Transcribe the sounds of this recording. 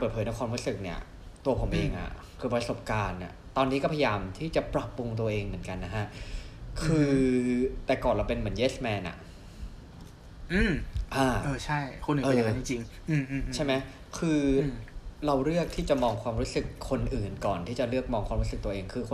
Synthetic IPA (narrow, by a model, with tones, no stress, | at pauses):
pəː˨˩t̪̚ʰːjna˦˥wkʰɔː˧mɾuː˦˥sɯ˨˩k̚ni˥˩ɐ | t̪u˧ɐpʰo˩˦mʔeː˧ŋʔa̰˨˩ | kʰɯː˧˩pɾa˧so˨˩p̚kaː˧nːa̰˨˩t̪ɔː˧nːi˦˥kɔː˥˩pʰa˧jjaː˧mt̪ʰiː˥˩t͡ɕa˨˩pɾa˨˩pːu˧ŋt̪̬u˧ɐʔeː˧ŋmɯ˩˦ənka˧nːa˦˥kʰa˦˥kʰɯː˧ | t̪ɛː˨˩kɔː˨˩nɾa˧wpe˧nmɯ˩˦ənjeː˦˥smɛː˧nʔa̰˨˩ | ʔɯː˧˩mʔaː˧˩ʔɤː˧t͡ɕʰa˥˩jkʰu˧nʔʔɤː˩˧˨t͡ɕi˧t͡ɕi˧ŋ | ʔːt͡ɕʰa˥˩jma˦˥j | kʰɯː˧ | ɾa˧wɾɯ˥˩ək̚t̪ʰiː˥˩t͡ɕa˨˩mɔː˧ŋkʰwaː˧mɾuː˦˥sɯ˨˩kʰːo˧nʔɯː˨˩nkɔː˨˩nt̪ʰiː˥˩t͡ɕa˨˩ɾɯ˥˩ək̚mɔː˧ŋkʰwaː˧mɾu˦˥sɯ˨˩k̚t̪u˧ɐʔeː˧ŋkʰɯː˧k